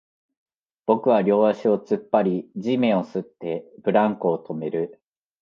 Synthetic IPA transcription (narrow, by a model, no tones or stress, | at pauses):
b̥o̞kɯ̟βaɾʲo̞ːβaɕio̞t͡sɨpːaɾʲid͡ʑimẽ̞o̞sɨt̪ːe̞b̥ɯ̟ɾãŋkoːt̪ʰo̞me̞ɾɯ̟